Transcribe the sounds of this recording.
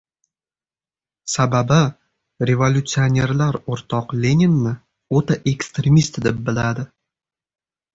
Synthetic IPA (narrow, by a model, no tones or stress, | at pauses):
sababɪ | ɾe̞volʲut̪sɨonʲe̞ɾlaɾoɾt̪ʰɒqlʲe̞nʲenːɪ | ot̪aʔe̞kst̪ɾʲemist̪d̪ep̚bɪlad̪ɪ